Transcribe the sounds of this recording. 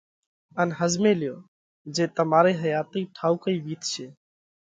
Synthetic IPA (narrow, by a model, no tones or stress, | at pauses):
ənɦəzmeːlɪjoː | d͡ʒeːt̪əmaːɾeːɦəjaːt̪iːʈʰaːukəiːʋiːt̪t͡ʃʰeː